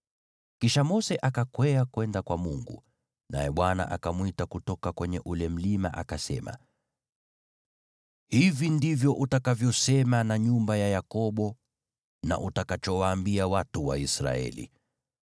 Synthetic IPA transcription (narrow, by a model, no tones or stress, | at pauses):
kiʃamɔsɛʔakakwɛakwɛndakwamuŋɡṵ | nʔa̰jɛɓwana̰ʔakamwitakutɔkakwɛɲɛʔulɛm̩lima̰ʔakasɛ̰ma̰ | hivindivjɔʔutakavjɔsɛmanaɲumbajajakɔɓɔ | na̰ʔutakat͡ʃɔwaːmbiawatuwa̰isɾa̰ɛ̰lḭ